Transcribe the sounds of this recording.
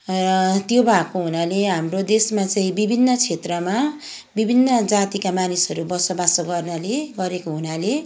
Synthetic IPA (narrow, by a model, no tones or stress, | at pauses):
rʌt̪jobʱakoɦunaleɦamrod̪esmat͡saĩbibʱinːʌt͡sʰet̪rʌma | bibʱinːʌd͡zat̪ikamanisʌɾubʌsʌbasʌɡʌrnaleɡʌɾekoɦunale